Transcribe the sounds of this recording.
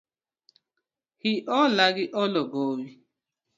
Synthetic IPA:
hiʔɔlaɡɪʔɔlɔɡowi

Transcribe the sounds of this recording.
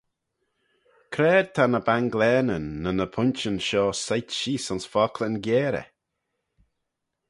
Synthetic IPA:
kʰɾɛːd̪̚t̪ʰanəbaŋɡlɛːnənːənəpʰʊnt͡ʃənʃɔːsajtʃiːsɔnsfɔkʰlənɡjɛːɾə̰

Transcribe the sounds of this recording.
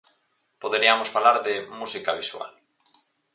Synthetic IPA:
poðeɾiamosfalaɾðemusikaβiswa̰l

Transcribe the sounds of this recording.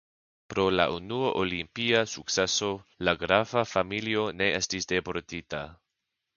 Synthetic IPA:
pɾo̞la̰ʔunuoʔolimpiasukseso̞laɡɾavafamilio̞ne̞estisdepoɾtita

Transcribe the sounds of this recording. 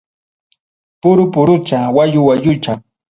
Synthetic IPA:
pʊɾʊpʊɾʊt͡ʃawaʎʊwaʎʊt͡ʃa

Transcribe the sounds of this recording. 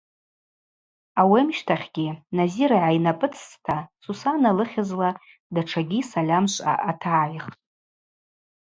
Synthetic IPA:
awemʃtʰaχʲɡʲinaziɾaʕajnapʼɨt͡sʰʼstʰasusanalɨχʲazla | daʈ͡ʂʰaɡʲisalʲamʃʷʼa̰ʔatʰaːjχtʼ

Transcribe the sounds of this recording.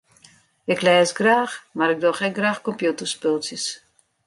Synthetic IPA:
ɪklɛːsɡraːxmaɾɪk̚doχɛɡraːxkɔmpjutərspɪlˠsjəs

